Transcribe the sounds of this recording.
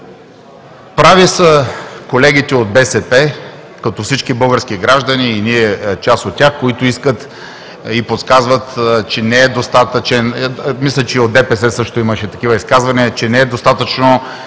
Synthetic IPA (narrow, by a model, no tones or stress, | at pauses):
pɾavisɐkolɛɡit̪ɛod̪̚bɛsɛpɛ | kɐt̪ɔfsit͡ʃkibɤlˠɡəɾsk̟iɡɾaʒd̪ɐniːniɛt͡ʃasot̪̚tʲːaxkoit̪ʊiskət̪ | ipot̪skazvət̪t͡ʃɛnɛɛd̪ost̪at̪ət͡ʃɛnmislʲɛt͡ʃɛod̪ɛpɛsɛsɤʃt̪oiməʃɛt̪ɐkivəiskazvɐniɐt͡ʃɛnɛɛd̪ost̪at̪ət͡ʃno